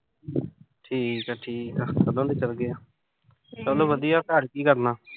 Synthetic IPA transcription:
ʈʰiːkaːʈʰiːkəskkəlːãːd̪iːt͡ʃəlɡɪaː | t͡ʃɔːlõːʋəd̪ijaːɾkaːɽkiːkəɾnaː

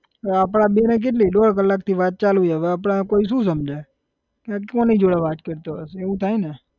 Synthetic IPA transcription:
apɽ̃aɓenek̬eʈ̬liɗoɽkəlːakt̪ʰiʋat̪̚t͡ʃalujəʋeap̬ɽ̃akoiʃ̬ũsəmd͡ʒʱa | kekõnəɦĩd͡ʒoɽaʋat̪kəɾt̪oəseʋũt̪ʰajne

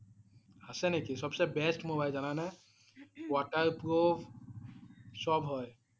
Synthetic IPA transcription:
asɛnekisɔbsɛbɛsʈmobajlzanana | waʈaɹpɹobʱ | sɔbɦɔj

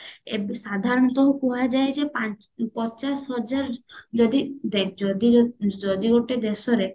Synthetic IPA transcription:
ebsad̪ʱaɾɔnt̪ɔɦupuɦad͡ʒaed͡ʒepa | pɔt͡ʃasɦɔd͡ʒaɾd͡ʒɔd̪id̪ekʰd͡ʒɔd̪id͡ʒɔd̪ioʈed̪esɔɾe

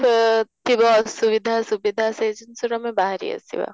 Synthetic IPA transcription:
t̪ibasuʋid̪ʱasubid̪ʱased͡ʒənsuɾɔmebaɦɾḭɐ̰sḭʋa̰

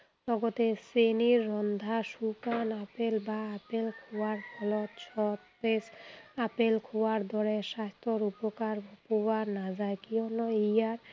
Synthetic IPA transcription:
lɔɡɔt̪eseniːɔnd̪ʱaʃukanapelbaːpelkʰoaɾkʰɔlɔt̪t͡ʃʰɔt̪pesapelkʰowaɾd̪ʱɔɾeʃast̪ɔɾupɔkaɾpowaɾnad͡ʑaekiɔnɔijaɾ

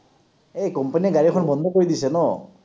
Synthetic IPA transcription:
ekɔmpaniɡaɹikʰɔnbɔnd̪ʱɔkoɹid̪isɛnɔ

